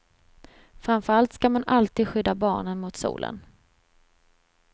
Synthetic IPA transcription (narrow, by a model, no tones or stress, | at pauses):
fɾamfœɾalt̪skamanalt̪iːd̪ɧʏd̪ːabɑ̰ːɳənmʊt̪sṵːlʔə̰n